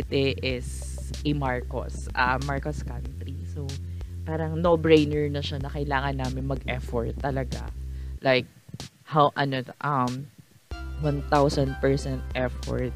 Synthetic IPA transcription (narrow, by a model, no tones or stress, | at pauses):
ɪt̪ɛʔɪs | ʔimaɹko̰s | ʔɐmːaɹkoskant̪ɾiso | paːɾɐŋnobɹejnɛɹnɐʃanɐkɐjlaːŋɐnːaːmɪnmɐɡʔɛfɔɹt̪ːɐlɐɡa̰lajk̚ | hawʔɐnoʔɐm | wɐnt̪awsɐnd̪̚pɛɹsɛnt̪̚ʔɛfɔ̰ɹt̪̚